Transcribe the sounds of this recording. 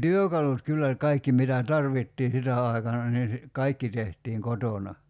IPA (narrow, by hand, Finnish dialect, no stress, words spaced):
tyøkɑlut kylːæ kɑikːi mitæ tɑrʋitːiː sitæ ɑˑi̞kɑnɑ niː si kɑikːi tehtiːŋ kotonɑ